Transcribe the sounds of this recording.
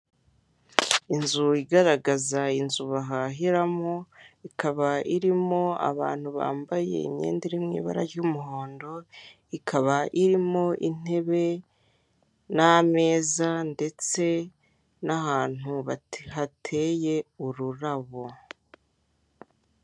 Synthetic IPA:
inzuiɡaɾaɡazainzuβaɦaɦiɾamoikaβaiɾimo̞a̰βa̰ːn̥huβa̰ːmbaje̞̰ḭmɲḛːndiɾimŋḭːβa̰ɾa̰ɾɟumuɦo̞ːndo̞ | ikʰaβaʔiɾimo̞ʔin̥e̞βe̞ | name̞ːzande̞t͡se̞ | nahaːn̥huβaihatʰe̞je̞uɾuɾaβo

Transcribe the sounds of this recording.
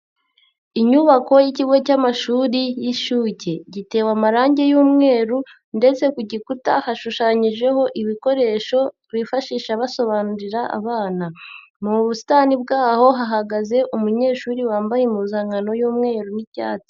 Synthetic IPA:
iɲuβako̞jiciɡo̞camaʃuːɾijiʃuːce̞ɟite̞ːwamaɾaːɲɟe̞juːmŋe̞ːɾu | nde̞t͡se̞kuɟikutahaʃuʃaːɲiʒe̞ho̞ʔiβiko̞ɾe̞ːʃo̞ | βifaʃiːʃaβaso̞βaːnuɾiɾaʔa̰βaːna | muβusi̥tanib̚ɡaːho̞ɦaɦaɡaze̞ʔumuɲe̞ːʃuːɾiwaːmbajemuzaːŋɡano̞juːmŋe̞ːɾunica̰ːto̥

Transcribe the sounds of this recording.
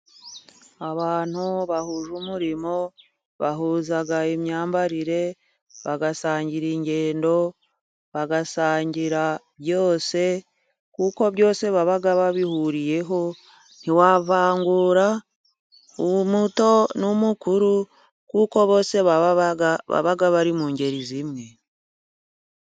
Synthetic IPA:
aβaːn̥uβahuːʒuːmuɾimo̞ | βaɦuːzaɡaemɲaːmbaɾiɾe̞ | βaɡasaːɲɟiɾiɲɟe̞ːndo̞ | βaɡasaːɲɟiɾaβjo̞ːse̞ | kuːko̞βjo̞ːse̞βaβaɡaβaβihuɾije̞ɦo̞ | n̥iwaːβaːŋɡuːɾa | umuto̞numukuɾu | kuːko̞βo̞ːse̞βaaβa̰βaɡaβaɾimuːɲɟe̞ɾizimŋe̞

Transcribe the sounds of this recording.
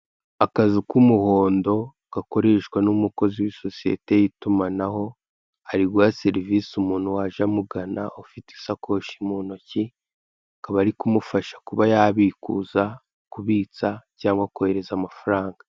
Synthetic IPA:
akazikumuho̞ːndo̞ | ɡ̥ako̞ɾe̞ʃkwanumuko̞ziwiso̞sije̞̰te̞jitumanaho̞ | aɾiɡwase̞ɾiviːsumuːn̥huwaʒamuɡana̰ʔofiti̥sakʰo̞ːʃimuːnoci | akaβaɾikumufaʃḁkuβajaβiːkṵːza | kuβiːt͡sacaːŋɡwakuhe̞ɾe̞zamafaɾaːŋɡḁ

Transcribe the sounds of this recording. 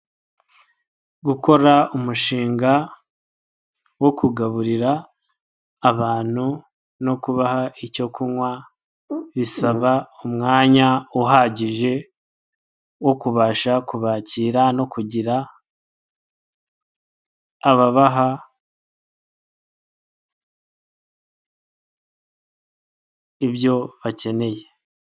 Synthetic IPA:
ɡukʰo̞ɾaumuʃiːŋɡa | wo̞kʰuɡaβuɾiɾaː | βaːn̥hu | no̞kuβaɦaico̞kʰuŋwa | βisaβaumŋaːɲauɦaɟiʒe̞ | wo̞kuβaːʃakuβaːciːɾano̞kuɟiɾa | βaβaɦa | iβjo̞βace̞ne̞je̞

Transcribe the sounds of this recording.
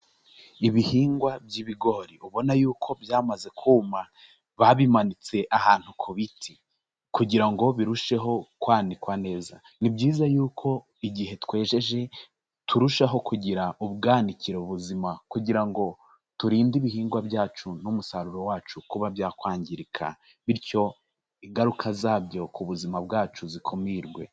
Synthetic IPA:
iβihiːŋɡwabɟiβiɡo̞ːɾiʔuβo̞najuːkʰo̞bjaːmaze̞kʰuːma | βaβimanit͡se̞ʔahaːn̥hukʰoβitʰi̥ | kuɟiɾaŋɡo̞βiɾuʃe̞ɦo̞kwaːnikwane̞ːza̰ | nibɟiːzajuːkʰo̞ | iɟihe̞twe̞ːʒe̞ʒe | tʰuɾuʃaɦo̞kuɟiɾaʔuβɡaːniciɾeuβuzimakuɟiɾaŋɡo̞ | tuɾiːndiβiɦiːŋɡwabjaːt͡ʃunumusaɾuɾo̞waːt͡ʃukuβabjaːkwaːɲɟiɾikʰa̰ | βiɾco̞ | iŋɡaɾukʰazaːbjo̞kʰuβuzimabɡaːt͡ʃuzikʰo̞miɾɡwe̞̰

